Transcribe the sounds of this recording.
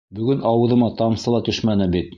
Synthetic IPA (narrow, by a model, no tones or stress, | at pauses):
bɵ̆ɡɵnʔɑwɤ̆ðɤ̆mɑt̪ɑmsɤlˠɑt̪ɵʃmænɘbit̪